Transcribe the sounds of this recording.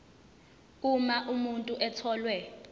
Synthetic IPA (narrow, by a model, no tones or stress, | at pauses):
k̬ʼumaʔumuntʼuʔɛtʰɔːlwɛ